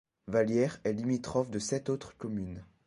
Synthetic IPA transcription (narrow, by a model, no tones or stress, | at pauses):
valjɛʁɛlimit̪χɔfd̪əsɛt̪ot̪χkɔmyn